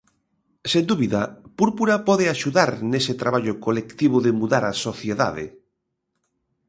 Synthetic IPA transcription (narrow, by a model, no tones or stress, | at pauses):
send̪uβiðapuɾpuɾapɔðeaʃuðaɾneset̪ɾaβaʎʊkolekt̪iβ̞ʊðemuðaɾasoθjeða̰ðḛ